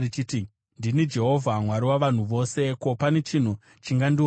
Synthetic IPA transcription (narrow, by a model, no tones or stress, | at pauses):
it͡ʃiti | ndinid͡ʒe̞ɦo̞vʱamwaɾiwaʋan̤uʋo̞ːse̞ko̞pane̞t͡ʃin̤u | t͡ʃiŋɡandio